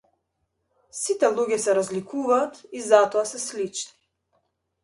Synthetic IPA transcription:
sit̪ɛlˠuɡʲɛsɛɾazlikuvaːt̪izat̪ɔasɛslit͡ʃni

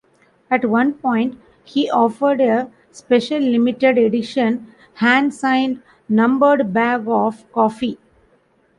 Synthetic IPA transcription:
æʈʋʌ̃npɔ̃ɪ̃ɳʈ | hiːʔɔːfəɾɖe | speʃəlːɪmɪʈeɖeɖɪʃə̃n | hæ̃ːnɖsãɪ̃nɖ | nʌ̃mbəɾɖbæːɡɔːfkɔːfi

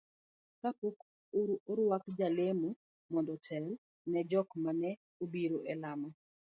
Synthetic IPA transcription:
kapok | oɾwakd͡ʒalemu | mɔndɔtʰɛl | nɛd͡ʒɔkmanɛ | obiɾoʔɛlamɔ

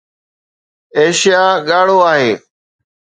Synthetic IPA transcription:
eːʃijaːɠaːɽoːaːɦeː

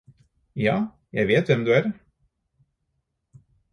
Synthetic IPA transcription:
jɑ̰ː | jæ̰ɪʋeːt̪ʋɛmd̪ʉæɾ

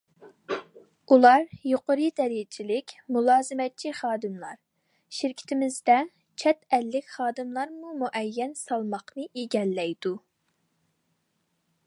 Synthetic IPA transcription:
ulˠɑɾjoqəɾɨd̪ɛɾijt͡ʃʰilɪkʲmulˠɑːzɨmɛt̪̚t͡ʃʰiχɑːd̪ɨmlˠɑ̰ɾ | ʃɪɾkʲʰi̥t̪ʰɪmɪzd̪ɛ | t͡ʃʰɛt̪ɛlːɪkʲχɑːd̪ɨmlˠɑɾmumuʔɛjːɛnsɑlˠmɑqnɨʔeɡʲɛlːɛjd̪u

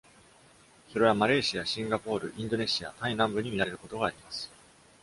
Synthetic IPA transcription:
so̞ɾe̞βamaɾe̞ːɕijaɕĩŋɡapo̞ːɾɯ̟̰ʔĩnd̪o̞ne̞ɕija̰t̪ainãmbɯ̟ɲ̟imʲiɾaɾe̞ɾɯ̟ko̞t̪o̞ɡaːɾʲimasɨ̥

